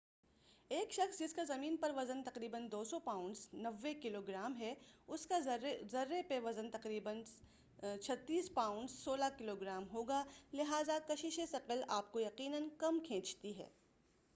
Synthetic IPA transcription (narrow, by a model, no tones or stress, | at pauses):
eːkʃɐxsd͡ʒɪskazɐmiːnpɐɾʋɐzənt̪ɐqɾiːbənd̪oːsɔpaːʊ̃ɳɖznɐʋːekɪloːɡɾaːmɦɛʊskazɐɾːepeʋɐzənt̪ɐqɾiːbən | t͡ʃʰɐt̪ːiːspaːʊ̃ɳɖzsoːlakɪloɡɾaːmɦoːɡaːlɪɦaːzakɐʃɪʃesɐqəlaːp̚kojɐqiːnənkɐmkʰẽːt͡ʃt̪iɦɛ̰ː